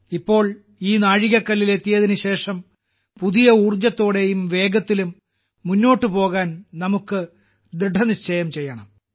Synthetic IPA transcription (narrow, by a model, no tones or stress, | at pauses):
ipːo̞ːɭ | iːnaːɻiɣɐkːɐlːile̞t̪ːijɐðinɨɕe̞ːʂɐm | puðijɐuːrd͡ʑɐt̪ːo̞ːɽe̞jumʋe̞ːɡɐt̪ːilumː | unːo̞ːʈːɨpo̞ːɣaːnnɐmukːɨ | d̪ɾiɖʱɐnit͡ɕːɐjɐmt͡ɕe̞jːɐɳɐm